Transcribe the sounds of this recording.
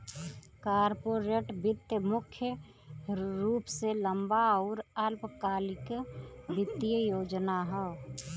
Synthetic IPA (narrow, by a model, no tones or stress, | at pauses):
kaːɾpoɾeʈbɪt̪jəmʊkʰjə | ɾuːpseləmbaɔːɾəlpkaːlɪkbɪt̪ijəjoːd͡ʒnaɦɛː